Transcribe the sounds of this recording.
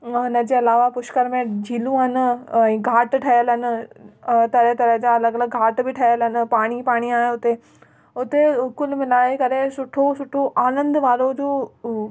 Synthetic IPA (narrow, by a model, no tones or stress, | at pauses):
ɦʊnəd͡ʑeːɐlaːʋapʊʃkəɾmẽd͡ʑʱiːlũɦɐn̆ɛ̃ːɡʱaːʈʈʰɐjəlɦɪn̆ | t̪ɐɾəɦt̪ɐɾəɦd͡ʑaːɐləɡɐləɡɡʱaːʈbɪʈʰɐjəlɦɪn̆paːɽ̃ipaːɽ̃iaːɦeʊt̪e | ʊt̪eʊkʊlmɪlaːekɐɾesʊʈʰosʊʈʰoʔaːnə̃nd̪ʋaːɾod͡ʑoː